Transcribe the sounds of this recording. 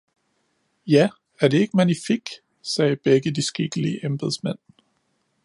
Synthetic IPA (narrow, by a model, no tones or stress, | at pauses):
jæ | æɐd̥e̝e̝ɡ̥əmænifiɡ̥ | sɛːb̥eɡ̥əd̥isɡ̥iɡ̥əliːʔemb̥eðˠsmen̰